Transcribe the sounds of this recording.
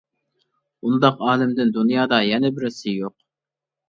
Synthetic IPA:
und̪ɑqɑːlɪmd̪ɪnd̪unjɑːd̪ɑjɛnɛbɪɾɪsɪjoq

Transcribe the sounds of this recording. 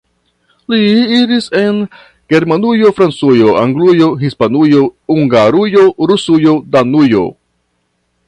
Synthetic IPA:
liiɾise̞n | ɡ̥e̞ɾmanujo̞fɾant͡sujo̞aŋɡlujo̞ɦispanujo̞uŋɡaɾujo̞ɾusujo̞danujo̞̰

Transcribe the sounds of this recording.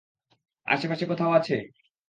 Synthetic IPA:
a̰ʃepaʃekot̪ʰaoat͡ɕʰe

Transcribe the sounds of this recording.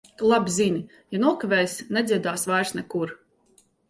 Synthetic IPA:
lˠabizinʲi | januɔkavʲɛːjsnʲɛd̪zʲiɛd̪aːsvajɾsnɛkuɾ

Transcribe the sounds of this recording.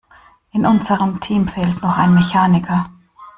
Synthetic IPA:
ʔɪnʔʊnzəʁəmtʰiːmfɛltnɔχaɪnmeçaːnɪkʰɐ

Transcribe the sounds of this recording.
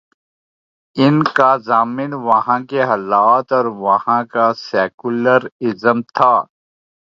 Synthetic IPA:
ɪnkazaːmɪnʋɐhãkeɦɐlaːt̪ɔːɾʋɐhãkaseːkuləɾɪzəmt̪ʰaː

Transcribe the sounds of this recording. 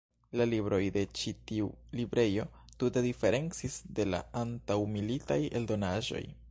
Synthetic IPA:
lalibɾo̞jde̞t͡ʃitiulibɾe̞jo̞ | tute̞dife̞ɾe̞nt͡sisde̞la̰antawmilitaje̞̰ldo̞naʒo̞̰j

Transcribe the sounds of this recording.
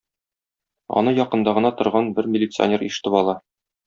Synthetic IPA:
ɒ̰nɤjɒqɤ̆nd̪ɑʁɤ̆nɑt̪ŏɾʁɑnbɘɾmʲɪlʲɪt̪sɨɐ̰nʲeɾiʃɘ̥̆t̪ɘpɒlˠɑ

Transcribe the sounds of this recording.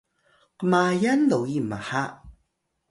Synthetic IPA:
qəmajanlowjimaha

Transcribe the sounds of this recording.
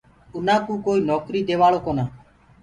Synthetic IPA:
ʊnãːkũːkoːiːnɔːkɾiːd̪eːʋaːɭoːkoːnaː

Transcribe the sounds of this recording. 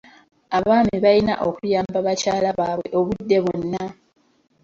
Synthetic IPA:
aβaːmiβalina̰ʔo̞kujaːmbaβacaːlaβaːβwe̞ʔo̞βudːe̞βonːa

